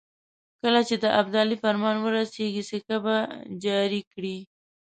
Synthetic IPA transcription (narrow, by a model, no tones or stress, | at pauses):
kəlat͡ʃed̪əʔab̚d̪ɑlifaɾmɑnwəɾaseɡisekabad͡ʒɑɾikɽi